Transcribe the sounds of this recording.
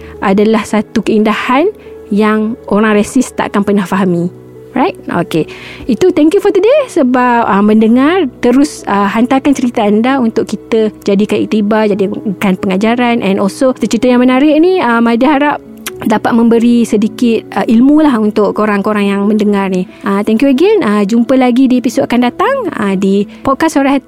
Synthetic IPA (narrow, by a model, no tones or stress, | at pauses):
ʔadalahsat̪ukəindahan | jaŋoɾaŋresɪst̪a̰ʔa̰kanpərnahfaɦami | rajt̚o̰keit̪ut̪ɛŋkjufɔd̪ədesəbap̚əmə̃ndəŋart̪əɾʊsəɦant̪akant͡ʃəɾit̪aandaunt̪ʊʔkit̪əd͡ʒadikanḭk̚t̪ibad͡ʒadikanpəŋad͡ʒaɾanʔɛ̃nʔɔlsosət͡ʃɾit̪əjaŋmə̃naɾɪʔ̚niəmːadiɦaɾap̚ | dapat̪̚mə̃mbəɾisədikɪt̪̚əʔilmũlahunt̪ʊʔkoɾaŋkoɾaŋjaŋmə̃ndəŋarni | ʔət̪ɛŋkjuaɡɛnəd͡ʒumpəlaɡidiepisot̪̚akandat̪aŋə̰dipɔt̚kasoɾah